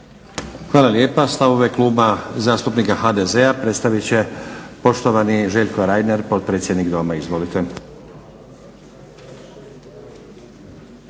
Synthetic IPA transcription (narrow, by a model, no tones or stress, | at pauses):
xʋaːlalje̞ːpast̪aʋo̞ʋe̞kluːbazaːst̪upnikaxad̪ezeapɾe̞t̪st̪aʋit͡ɕe̞po̞ʃt̪oʋaniʒe̞ʎkoɾaj̪neɾpo̞t̪̚pɾeːsʲje̞d̪niɡd̪o̞maizʋo̞lit̪ʰe